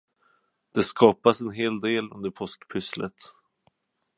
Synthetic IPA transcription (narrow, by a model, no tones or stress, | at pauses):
d̪̥ɛskɑːpasɛnɦeːld̪eːlɵ̰nd̪əɾpʰɔskpʰʏslə̰t̪